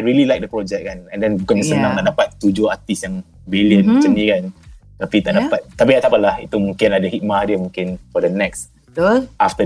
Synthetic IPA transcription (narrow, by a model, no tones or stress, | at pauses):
ajɹililajk̚dəpɾɔd͡ʒɛk̚kanɛ̃ndɛnɡɔnəsənãŋt̪aʔdapat̪ːud͡ʒʊhat̪isjaŋ | biljənət͡ʃənikant̪apit̪aʔdapat̪̚t̪apiaʔt̪aʔpalahḭt̪umũŋkɪnadəhit̪̚madjəmũŋkɪnfɔdənɛks | aft̪ə